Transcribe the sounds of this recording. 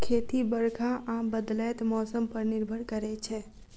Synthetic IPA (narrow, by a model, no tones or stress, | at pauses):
kʰeːt̪ibəɾkʰaʔaːmbəd̪lɛːt̪mɔːsəmpəɾnɪɾbʱəɽkəɾɛt͡ʃʰɛː